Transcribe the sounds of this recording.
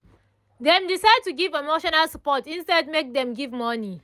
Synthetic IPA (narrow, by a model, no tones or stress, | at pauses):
dɛ̃mdisaɪd̚tuɡivemoʃɔnalsəpɔtĩnstɛd̚mek̚dɛ̃mɡivmɔni